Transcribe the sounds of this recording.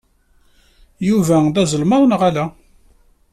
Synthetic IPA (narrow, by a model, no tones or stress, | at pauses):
juvæðæzəlməðˤnʁælæ